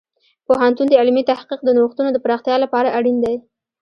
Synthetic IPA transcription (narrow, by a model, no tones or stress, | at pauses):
poɦant̪und̪əɪlmit̪ahqiq̚d̪ənoxt̪unod̪əpɾɑxt̪jɑlapɑɾaʔaɽind̪aj